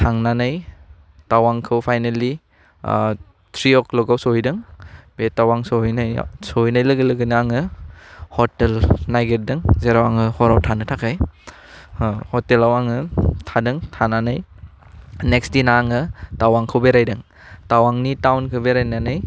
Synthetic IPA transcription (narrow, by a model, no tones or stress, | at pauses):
tʰaŋnanɯj | tawaŋkʰɯwpʰajneli | tʰɾiɔklɔɡawsɔhijdɯŋbetawaŋsoijnaj̰soɦijnajlɐɡɯlɯɡɯnɯaŋɯ | hɔtelnajɡeɾ̚dɯŋzeɾawaŋɯhɔɾawtʰanɯtʰakʰaj | hɔtelawaŋɯtʰadɯŋtʰananaj | nek̚stinaːŋɯtawaŋkʰɯwbeɾajdɯŋ | tawaŋnitawnkʰɯwbeɾajnanɯj